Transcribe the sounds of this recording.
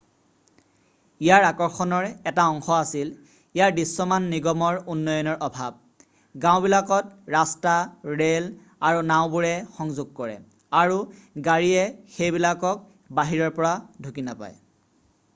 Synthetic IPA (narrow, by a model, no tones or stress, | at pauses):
ijaɹakɔɹxɔnɔɹɛtaɔŋxɔasil | ijaɹdisːɔmanːiɡɔmɔɹunːɔjɔnɔɹʔɔbʱab̚ | ɡãw̃bilakɔt̚ɹastaɹel | aɹunaʊ̃buɹɛxɔŋzʊɡ̚kɔɹɛ̰ | aɹuɡaɹiɛxejbilakɔk̚ | baɦiɹɔɹpɔɹadʱukinapa̰j